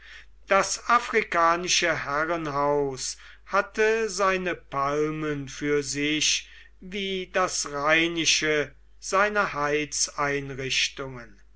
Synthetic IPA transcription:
d̥asʔafʁ̥ikaːnɪʃəhɛʁənɦaʊs | hatʰəzaɪnəpalmənfyːɐzɪʃ | viːdasʁaɪnɪʃə | z̥aɪnɐhaɪsʔaɪnʁɪʃtʊŋən

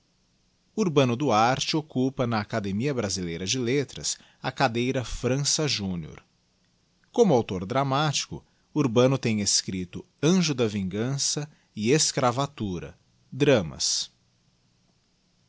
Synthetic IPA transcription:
uɾbɐ̃nʊd̪ʊaɾt͡ʃɪokupɐnɐːkad̪emiɐbɾazilejɾɐd͡ʒɪlet̪ɾɐs | ɐkad̪ejɾɐfɾɐ̃sɐʒũnio̰ɾ | kõmʊawt̪oɾd̪ɾamat͡ʃi̥kʊ̰ː | ɾbɐ̃nʊt̪ẽj̃eskɾit̪ʊ | ɐ̃ʒʊd̪ɐvĩŋɡɐ̃sɐ | ɪeskɾavat̪uɾɐ̰ | d̪ɾɐ̃mɐ̰s

